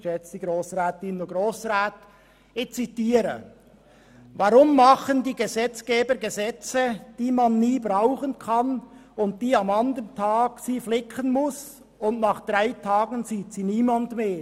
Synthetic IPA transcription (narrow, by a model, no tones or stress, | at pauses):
ʃɛt͡sdiɡɾoːsʁaːtɪnoɡʁoːsʁaːt | ɪçt͡sitiːɾə̰ | vɑɾʊmːɑχəndiːɡəzɛt͡sɡ̥eːbəɾɡəzɛt͡səd̥iːmɑnːiːbʁaʊχənkʰɑnʊnt̚d̥iːɑmɑndəəntʰɑːɡsiːflɪkʰənmʊs | ʊntnɑːχd̪̥ʁaɪtʰɑːɡənziːtsiːniːmandmeː